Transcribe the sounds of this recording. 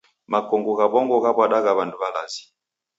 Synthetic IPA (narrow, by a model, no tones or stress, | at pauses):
makɔŋɡuɣabɔŋɡɔɣabwaɗaɣaβanduβalazi̥